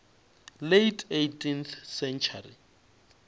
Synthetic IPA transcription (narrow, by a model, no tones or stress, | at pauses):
lejtʰetʰʼinθsɛnt͡ʃʰarḭ